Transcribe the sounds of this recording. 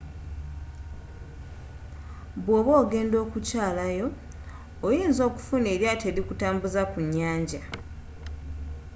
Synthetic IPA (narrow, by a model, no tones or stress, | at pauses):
βwo̞ːβo̞ːɡe̞ːndo̞ːkucaːlajo̞ː | jiːnzo̞ːku̥funeːɾjate̞ːɾikutaːmbuzakuɲːaːɲɟa